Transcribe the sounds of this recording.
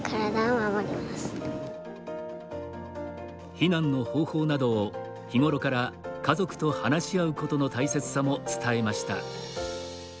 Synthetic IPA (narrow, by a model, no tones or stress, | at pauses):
kʰaɾad̪aoaβaɾʲiomasɨ̥ | çinãnːo̞ho̞ːho̞ːnad̪o̞ː | çiŋo̞ɾo̞kaɾakazo̞kɯ̟̥t̪o̞hanaɕiaɯ̟ko̞t̪o̞no̞t̪aise̞t͡sɨ̥samo̞t͡sɨ̥t̪ae̞maɕi̥t̪a̰